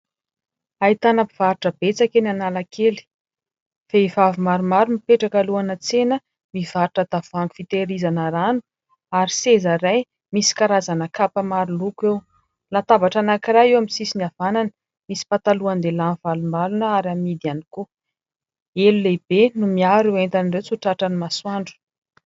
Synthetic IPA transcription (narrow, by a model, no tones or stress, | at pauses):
ait̪anapi̥v̥aɾʈ͡ʂəb̥et͡sakenanalakʰeli̥ | feivavumaɾumaɾumipeʈ͡ʂakaluanət͡senə | miv̥aɾuʈ͡ʂəd̪̥av̥aŋku̥fit̪eɾizanəɾanu̥ | aɾisezaɾaj | misi̥kaɾazanəkapəmaɾulukew | lat̪avaʈ͡ʂanakiɾajewamisisinav̥ananə | misi̥pat̪aluand̪elanv̥alumalunəaɾamid̪aniku | eluleb̥enumiaɾient̪anirewt͡suʈ͡ʂaʈ͡ʂənimaswaɳɖ͡ʐu̥